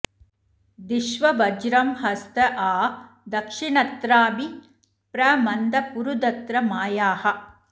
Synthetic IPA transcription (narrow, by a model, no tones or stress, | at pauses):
d̪iʃʋɐʋɐd͡ʒɾɐmhɐst̪ɐʔaː | d̪ɐkʂiɳɐt̪ɾaːbi | pɾɐmɐnd̪ɐpuɾud̪ɐt̪ɾɐmaːjaːhɐ̆